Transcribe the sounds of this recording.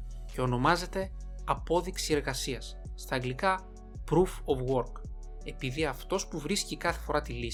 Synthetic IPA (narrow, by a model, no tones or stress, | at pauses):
ce̞o̞no̞mɐze̞t̪e̞ | ɐpo̞ðiksie̞ɾɣɐsiɐsː | t̪ɐːŋɡlikɐ | pɾufovɣo̞ɾk | e̞piðiɐft̪o̞spuvɾiscikɐθe̞fo̞ɾɐt̪ili